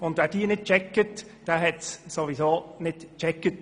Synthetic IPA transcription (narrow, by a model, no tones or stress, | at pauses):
ʊnd̪ʋɛd̥iːənɪt̚t͡ʃɛkːətd̥ɛɦɛtssoʋizoːnɪd̥t͡ʃɛkːət